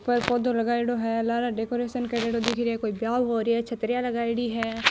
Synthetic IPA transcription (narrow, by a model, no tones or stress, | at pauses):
pəɾpoːd̪õləɡaːiɽoːɦɛːlaːɾaːɖeːkoːɾeːʃənkəɽeːɽoːd̪ɪkʰɾiɛːkoːiːbjaːʋɦoːɾiɛːt͡ʃʰət̪ɾɪjãːləɡaːiɽiːɦɛː